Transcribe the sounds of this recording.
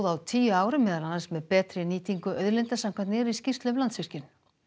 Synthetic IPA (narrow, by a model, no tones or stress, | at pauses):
ðawt̪ʰiːjʏaːwɾɪmːɛːðananansmɛðpɛːt̪ɾɪniːt̪ʰiŋkʏʔœɥðɾlɪnt̪asamkʰvant̪nɛːɾiscir̥t̪lʏmlant̪svir̥cɪn